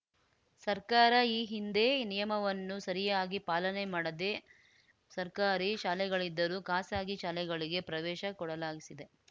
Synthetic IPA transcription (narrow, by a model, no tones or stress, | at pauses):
sɐɾkaːɾɐiːɦind̪e̞nijɐmɐʋɐnːusɐɾijaːɡipaːlɐnemaːɽɐd̪e̞ | sɐɾkaːɾiʃaːlɛɡɐɭid̪ːɐɾukaːsaːɡiʃaːlɛɡɐɭiɡe̞pɾɐʋɛːʃɐkɔɽɐlaːɡisid̪e̞